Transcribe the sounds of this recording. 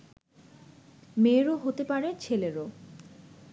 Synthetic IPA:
meɾoɦot̪epaɾet͡ɕʰeleɾo

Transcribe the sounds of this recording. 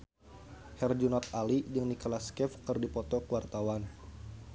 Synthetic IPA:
hɛrd͡ʒunɔt̪̚alidɨŋnikɔlaskɛfkɨrdipɔt̪ɔkəwart̪awan

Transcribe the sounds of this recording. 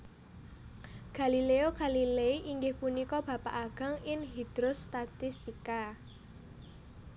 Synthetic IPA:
ɡ̥a̤lileoɡ̥a̤lileʔiŋɡɪhpunikɔb̥ä̤paʔaɡ̥a̤ŋɪŋɦid̪̥ɾost̪at̪ɪst̪ika

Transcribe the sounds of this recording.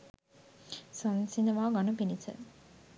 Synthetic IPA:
sonsinəʋaːɡanupinisə̰

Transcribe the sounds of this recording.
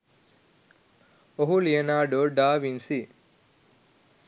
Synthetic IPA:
oɦulijɐnaːɖoɖaːʋinsi

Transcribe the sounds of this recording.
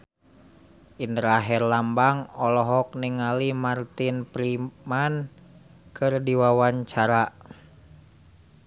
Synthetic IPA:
ʔindəɾaɦɛrlambaŋɔlɔɦɔk̚niŋalimart̪inpɾiman | kɨrdiwawaɲt͡ʃaɾa

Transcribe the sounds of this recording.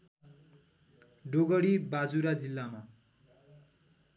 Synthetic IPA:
ɖoɡʌɽibad͡zuɾad͡zilːama

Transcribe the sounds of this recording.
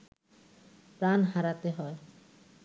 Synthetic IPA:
pɾanɦaɾat̪eɦɔe

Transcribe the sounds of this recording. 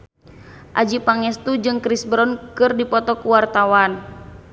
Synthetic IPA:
ʔad͡ʒipaŋɛst̪ud͡ʒɨŋkɾisbɾɔnkɨrdipɔt̪ɔkuwart̪awan

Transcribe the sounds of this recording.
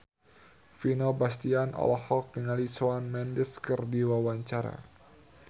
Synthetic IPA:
finobast̪ianʔɔ̰lɔhɔk̚dəŋalisoanmɛndɪskərdiwawaɲt͡ʃaɾa̰

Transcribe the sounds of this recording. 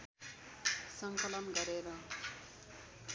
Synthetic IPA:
sʌŋkʌlʌnɡʌɾeɾʌ

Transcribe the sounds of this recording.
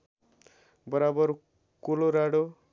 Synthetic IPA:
bʌɾabʌɾ | kuloɾaɽo

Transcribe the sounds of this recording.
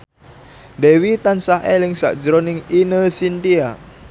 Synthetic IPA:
dewit̪ansaɦɛliŋsa̰ʔd͡ʒɾɔniŋinəsindia

